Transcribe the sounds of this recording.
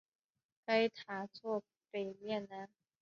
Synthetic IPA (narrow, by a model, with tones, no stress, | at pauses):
ka˧˥jt̪ʰaː˩˦t̪ʰu˥˩ | pe˨˩mi˥˩˨nːa˧˦˥